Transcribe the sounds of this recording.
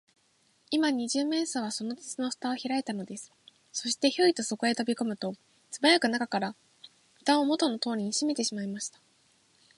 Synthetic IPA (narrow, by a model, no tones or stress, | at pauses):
imaɲ̟iʑɨːmẽ̞ːsaβaso̞no̞t͡sɨ̥t͡sɨno̞ɸɯ̥t̪ao̞çiɾae̞t̪ano̞d̪e̞sɨ̥ | so̞ɕi̥t̪e̞ço̞it̪o̞so̞ko̞e̞t̪o̞bʲiko̞mɯ̟t̪o̞ | t͡sɨbajakɯ̟nakakaɾa | ɸɯ̟̥t̪ãomo̞t̪ono̞t̪o̞ːɾʲiɲ̟iɕime̞t̪e̞ɕimaimaɕi̥t̪ḁ